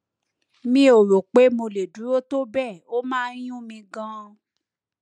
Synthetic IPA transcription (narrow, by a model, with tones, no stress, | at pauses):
mĩ˧˦o˨ɾo˨k͡pe˨˦mo˧le˨du˨˦ɾo˦to˦bɛ˦˨o˦mãː˦j̃ũ˦mĩ˧ɡã˦˧